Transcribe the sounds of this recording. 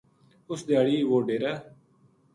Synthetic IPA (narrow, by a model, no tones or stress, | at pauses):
ʊsd̪jaːɽiːʋoːɖeːɾaː